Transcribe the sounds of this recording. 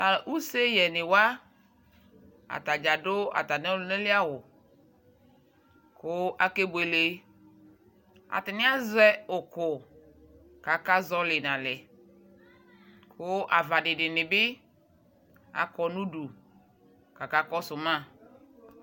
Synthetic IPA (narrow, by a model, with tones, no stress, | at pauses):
a˨ʔu˦se˦jɛ˨nɪ˨wa˦ | a̰˨ta˨d͡ʒa˨dʊ˦a̰˨ta˨nɛ˦lnɛ˦lɪ˦a˦wʊ˨ | kʊ˦a˨ke˦be˨le˨˦ | a̰˨tɪ˨nɪ˦a˦zɛ˦ʊ˨kʊ˨ | ka˨ka˦zɔ˦lɪ˨nã˨lɛ˨ | kʰʊ˦ʔa˨va˨dɪ˨dɪ˨nɪ˨bɪ˦ | a̰˨kɔ˨nũ˦du˨ | ka˨ka˦kɔ˦sʊ˨mã˦˨